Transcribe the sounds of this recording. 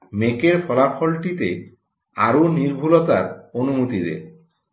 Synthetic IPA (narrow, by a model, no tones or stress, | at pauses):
mekeɾfʰɔlafʰɔlʈit̪ḛ | aɾoniɾbʱulot̪aɾonumut̪id̪ḛɾ